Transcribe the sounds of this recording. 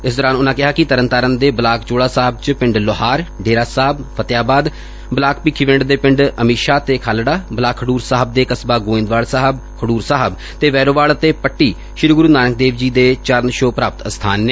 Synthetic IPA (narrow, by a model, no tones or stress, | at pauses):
ɪsd̪ɔːɾãːnʊnãːkɪɦaːkɪt̪əɾənt̪aːɾənd̪eːbəlaːkt͡ʃoːɽaːsaːɦəb̚t͡ʃəpɪ̃ɳɖloɦaːɾɖeːɾaːsaːɦəbpʰət̪jaːbaːd̪ | bəlaːkpiːkʰiːʋɪ̃ɳɖd̪eːpɪ̃ɳɖəmiːʃaːt̪eːkʰaːlɽaːblaːkʰːəɖuːɾsaːɦəb̚d̪eːkəsbaːɡoːɪ̃nd̪ʋaːɭsaːɦəb | kʰəɽuːɾsaːɦəb | t̪eːʋɛːɾoːʋaːɭət̪eːpəʈːiː | ʃɪɾɡʊɾuːnaːnək̚d̪eːʋd͡ʒiːd̪eːt͡ʃəɾnʃoːpɾaːpt̪əst̪ʰaːnːeː